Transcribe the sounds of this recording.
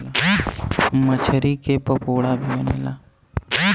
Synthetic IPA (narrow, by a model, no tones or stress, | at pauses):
la | mət͡ʃʰəɾikepəpoːɽabʱiɐnḛlaː